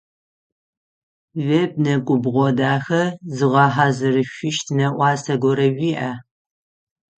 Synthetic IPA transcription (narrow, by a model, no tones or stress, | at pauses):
veb̚nɐkʷʼʊbʁʷɔdaːxɐzɨʁɑħazɨrɨɕʷɪʃtʰnɐʔʷɑːsɐɡʷɔɾɐʒʷiːʔa